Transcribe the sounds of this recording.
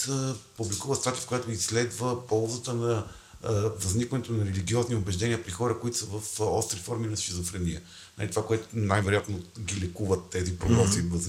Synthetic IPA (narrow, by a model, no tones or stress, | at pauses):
publikuvəst̪at̪ifkojat̪ʊisːlɛd̪vəpɔlˠzət̪ənɐ | vɐznikvɐnɛt̪onɐɾɛliɡʲiɔzniobɛʒd̪ɛnʲiəpɾixɔɾəkoit̪o̥səvəfɔst̪ɾifɔɾminɐsxizofɾɛnḭə | na̰lʲit̪ovakoɛt̪o̥najvɛɾojat̪noɡʲilɛkuvət̪ːɛzipɾod̪ɔiv